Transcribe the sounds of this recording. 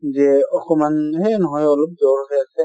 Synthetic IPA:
zɛɔkɔmanhɛnɔɦɔjɔlɔp̚zɔɹɦɔjasɛ

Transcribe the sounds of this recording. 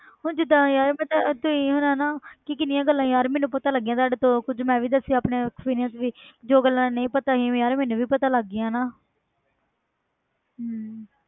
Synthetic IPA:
ɦõːd͡ʒɪd̪ãːjaːɾmɛ̃ːt̪at̪ʊĩːɦʊnaːnaːkɪkɪnɪjãːɡəlːãːjaːɾmɛ̃ːnũːpət̪ãːləɡːijãːt̪aːɖt̪õːkʊd͡ʒmɛ̃ːʋiːd̪əsiaːpneːkspiːɾɪjãːt̪ʋiːd͡ʒoːɡəlːãːnəĩːpət̪aːɦiːõjaːɾmɛːnũːʋiːpət̪aːləɡːɪjãːnaː

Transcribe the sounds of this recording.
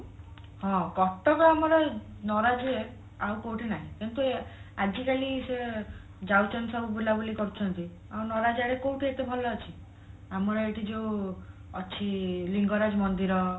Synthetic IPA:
hɔ̃ɡɔt̪ɔkɔamɔɾɔ | nɔɾad͡ʒɾe | awkowʈinaɦĩkint̪uad͡ʒikalise | d͡ʒawt͡ʃɔnsɔbubulabulikɔɾit͡ʃʰɔnt̪i | awnɔɾad͡ʒaɾekowʈiet̪ebʱɔlɔat͡ʃʰi | amɔɾɔeʈid͡ʒeũɔt͡ʃʰiliŋɡɔɾad͡ʒɔmɔnd̪iɾɔ

